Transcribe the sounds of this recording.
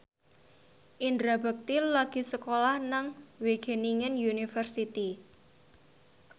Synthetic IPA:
ʔindɾabə̤k̚t̪illaɡ̥i̤səkolahnaŋweɡ̥e̤niŋənjunifərsit̪i

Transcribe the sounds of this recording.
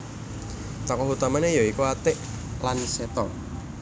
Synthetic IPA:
t̪ɔkɔɦut̪amanejɔikuat̪ɪʔ | lansɛt̪ɔ

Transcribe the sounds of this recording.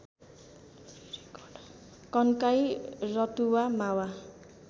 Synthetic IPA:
kʌnkajrʌt̪uwamawa

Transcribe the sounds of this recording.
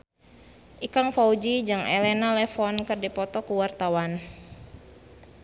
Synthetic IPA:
ʔikaŋfaud͡ʒid͡ʒaŋelɛnalɛfɔnkɨrdipɔt̪ɔkuwart̪awan

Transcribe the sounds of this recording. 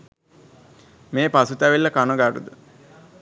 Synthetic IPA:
meːpasut̪æʋelːəkanoɡaɾṵd̪ə

